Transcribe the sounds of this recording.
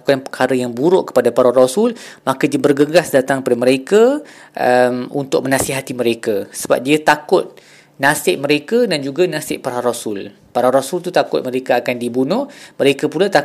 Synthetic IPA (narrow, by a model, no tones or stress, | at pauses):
kaŋpəkʰaɾəjaŋbuɾʊʔkə̥padapaɾaɾosʊlmakədiəbərɡəɡasdat̪aŋkəpadaməɾekaʔəmunt̪ʊk̚mə̃nãsiɦat̪iməɾekasəba̰p̚diət̪akʊt̪̚ | nasɪʔ̚məɾekadand͡ʒuɡanasɪʔpaɾaaɾosʊl | paɾaɾosult̪ut̪akʊ̰t̪̚məɾekaakandibunʊhməɾekapulat̪a